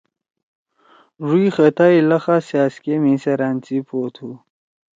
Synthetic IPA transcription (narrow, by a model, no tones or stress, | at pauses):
ʐuixɐt̪ailɐxasaːskemĩsɐɾant͡sipoːt̪ʰu